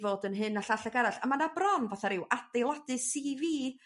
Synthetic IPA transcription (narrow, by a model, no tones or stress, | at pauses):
voːdənɦɨnːaɬaɬaɡaɾaɬamanabrɔnvaθaɾɪwatd̥ejlˠadɨsiviː